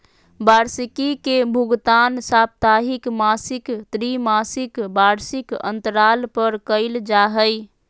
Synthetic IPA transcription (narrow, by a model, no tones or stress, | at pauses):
baɾsikikebʱuɡt̪ansap̚t̪aɦikmasikt̪ɾimasikbaɾsikə̰̃nt̪əɾalpəɾkəɪld͡ʒaɦəj